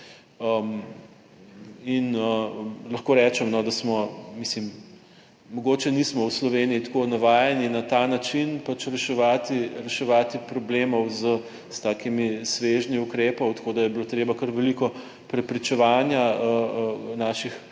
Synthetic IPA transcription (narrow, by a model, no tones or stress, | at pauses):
əm | inəlɐxkoɾɛt͡ʃɛmnɔd̪asmɔmislimː | ɔɡoːt͡ʃɛnismɔwslɔʋenijit̪konaʋaːjɛninat̪anat͡ʃinpat͡ʃɾɛʃɛʋaːt̪iɾɛʃɛʋaːt̪ipɾɔbleːmɔwzə | st̪aːkimisʋeʒniukɾepɔwt̪ḁkod̪ajɛbilot̪ɾeːbakɐɾʋɛlikɔ | pɾɛpɾit͡ʃɛʋaːnjaəənaːʃix